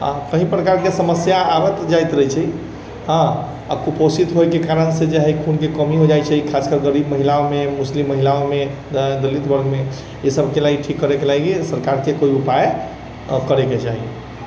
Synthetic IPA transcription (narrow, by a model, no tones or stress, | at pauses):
a̰kəɦĩpɾəkaɾkesəməsjaːbɛt̪d͡ʒajt̪ɾəɦit͡ʃʰɛi | ɦə̃ | a̰kuposit̪ɦojkekaɾənsed͡ʒeɦəjkʰunkekəmiɦod͡ʒajt͡ʃʰɛikʰaskəɾɡəɾibməɦilaomemuslimːəɦilaome | d̪əlit̪bəɾme | esəbʱkelaɡiʈʰikːəɾekelaɡesəɾkaɾkekoiupae | kəɾeket͡ʃaɦi